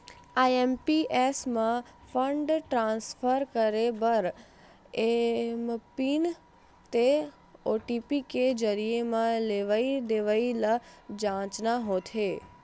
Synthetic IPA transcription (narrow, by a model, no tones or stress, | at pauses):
aempiʔesmãfʰəɳɖʈɾãnsfʰəɾkəɾebəɾ | empin | t̪e | oʈipiked͡ʒəɾijemãleʋaid̪eʋailad͡ʒãːt͡ʃnaɦot̪ʰeː